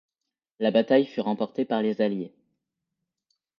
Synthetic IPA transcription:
labat̪ajfyʁɑ̃pɔʁt̪epaʁlezalje

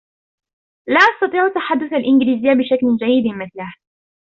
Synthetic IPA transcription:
laːʔɑsˤt̪ɑt̪ˤiːʕt̪ːaħad̪ːʊθalʔɪnɡɪliːzɪjːabɪʃakld͡ʒajːɪd̪mɪθlah

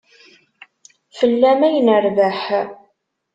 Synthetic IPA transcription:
fəlːæmæjənəɾvəħ

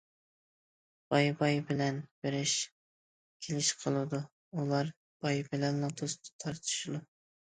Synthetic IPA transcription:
b̥ɑjbɑjbɪlɛnb̥eɾɪʃ | kʲʰelɪʃqʰəlˠɨd̪u | ulˠɑɾ | b̥ɑjbɪlɛnlɑŋt̪ʰost̪ʰɨ̥t̪ʰɑɾt̪ʰɨ̥ʃud̪u

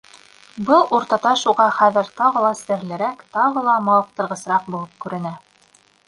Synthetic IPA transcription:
bɤlˠuɾt̪ɑt̪ɑʃuʁɑχæðɘ̆ɾt̪ɑʁɤ̆lˠɑsɘ̆ɾlɘ̆ɾækt̪ɑʁɤlˠɑmɑlˠɤq̚t̪ɤ̆ɾʁɤ̆sɾɑq̚bulˠɤp̚kʉɾɘ̆næ

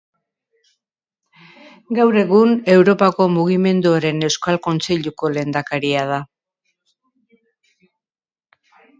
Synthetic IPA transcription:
ɡawɾe̞ɣune̞wɾo̞pako̞muɣime̞nd̪uaɾe̞ne̞wskalko̞nt͡se̞ʎuko̞le̞ːnd̪akaɾiað̞a

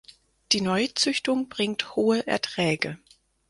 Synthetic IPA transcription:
d̥iːnɔʏt͡sʏçtʊŋb̥ʁɪŋkthoːəʔɛ̰ɐtʁ̥ɛːɡə

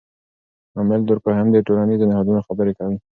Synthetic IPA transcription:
amɪld̪əɾkoɦamd̪əʈolaniznɪhɑd̪unoxabəɾekawi

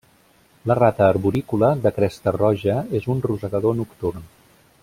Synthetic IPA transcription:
lərat̪əːɾβuɾikuləðəkɾɛst̪ərɔʒəezunruzəɣəðonukt̪urn

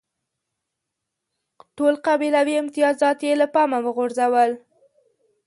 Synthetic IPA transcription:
ʈolqabilawiɪmt̪ɪjɑzɑt̪jelapɑmawəɣoɾzawəl

